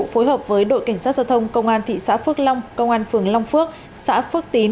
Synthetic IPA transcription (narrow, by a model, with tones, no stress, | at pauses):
fo˨˦jɦəː˨˩p̚vəː˨˦jɗo̰˧˨jka˧˩jŋaː˦˥t̚za˧wt̪ʰə˧wŋ͡mkə˧wŋ͡mʔaː˧nt̪ʰḭ˧˨sa̰ː˧˥fɨ˦˥ək̚la˧wŋ͡mkə˧wŋ͡mʔaː˧nfɨ˨˩əŋla˧wŋ͡mfɨ˦˥ək̚ | sa̰ː˧˥fɨ˦˥ək̚t̪i˨˦